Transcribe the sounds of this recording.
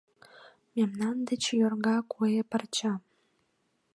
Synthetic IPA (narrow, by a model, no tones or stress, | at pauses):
memnɑnd̪ə̆t͡ɕjorɣɑkʰuepərt͡ɕɑm